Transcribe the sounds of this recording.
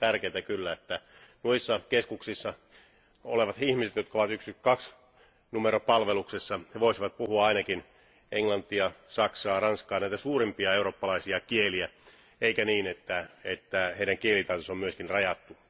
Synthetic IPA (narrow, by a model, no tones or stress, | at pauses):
t̪ærkeːt̪ækylːæet̪ːænuisːɑkeskuksisːɑ | o̰leʋɑt̪hihmiset̪jot̪̚kɑoʋɑt̪yksykɑks | numeɾopɑlʋeluksesːɑheʋoisiʋɑt̪̚puhuɑɑinɑkin | eŋlɑnt̪ːˑijɑsɑksɑːrɑnskɑːnæˑit̪æsuːrimpiɑeuropːɑlɑisiɑkieliæ | eikæniːnet̪ːæet̪ːæheiɾæŋkielit̪ɑit̪osomyøskinrɑjɑt̪ːu